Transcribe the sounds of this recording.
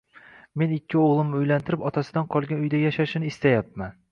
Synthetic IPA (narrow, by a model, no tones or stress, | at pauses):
me̞nɪkʲːɪoʁlˠɪmnɪʊjlant̪ʰɪɾɪpɒt̪ʰasɪd̪anqʰɒlˠɡʲanʊjd̪ajaʃaʃɪnɪɪst̪ajap̚man